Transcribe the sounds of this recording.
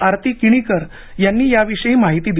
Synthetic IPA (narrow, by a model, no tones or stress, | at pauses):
aɾt̪ʰikiɽ̃ikəɾ | janːiːjaʋiʂəjiːmaɦit̪iːd̪